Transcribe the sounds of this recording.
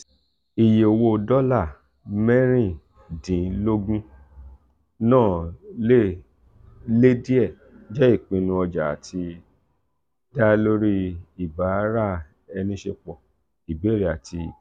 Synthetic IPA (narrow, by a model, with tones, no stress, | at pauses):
i˨je˨o˨wo˧dɔ˦la˦˨ | mɛ˦ɾ̃ĩ˦˨ | dĩ˨˦lo˦ɡũ˦ | nãː˦˨le˦ | le˦di˦ɛ˦˨ | d͡ʒɛ˦i˦˨k͡pĩ˧nũ˧ɔ˧d͡ʒa˨a˨tʰi˧ | da˦lo˦ɾi˦i˨ba˨˦ɾa˦˨ | ɛ˧nĩ˦ʃe˧k͡pɔ˨ | i˨be˨˦ɾi˨a˨ti˧˨